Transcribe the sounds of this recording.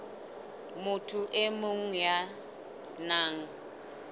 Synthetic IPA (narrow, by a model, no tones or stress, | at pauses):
mʊtʰʊʔɛmʊŋ̩ja | naːŋ̩